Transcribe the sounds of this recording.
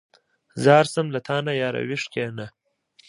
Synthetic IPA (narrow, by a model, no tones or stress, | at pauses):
zɑːɾsɐmlɐt̪ʰaːnajaːɾɐ̰wiʂkeːnɐ